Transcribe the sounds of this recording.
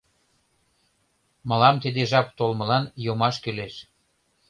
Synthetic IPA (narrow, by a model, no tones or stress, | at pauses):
mɑlɑmt̪id̪eʒɑp̚t̪olməlɑnjomɑʃkyleʃ